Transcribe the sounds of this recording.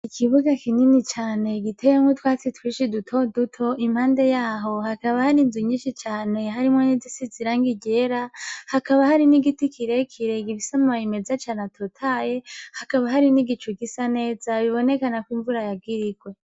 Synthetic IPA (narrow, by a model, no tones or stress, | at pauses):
ikʰiβuɡakininit͡ʃaːne̞ɡitʰejemŋutwaːt͡sitwiːʃidutʰo̞dutʰo̞ʔim̥haːnde̞jaːɦo̞hakaβahaɾinziɲiːʃit͡ʃaːne̞ɦaɾimŋonizisiziɾaːŋɡiɟe̞ɾahakaβahaɾiniɡitikʰiɾe̞kʰiɾe̞ɡiβisamajime̞zat͡ʃaːnatʰo̞tʰaːje̞hakaβaɦaɾiniɡit͡ʃuɡisane̞ːzaβiβo̞ne̞kanakwiːɱvuɾajab̚ɡiɾiɡwe̞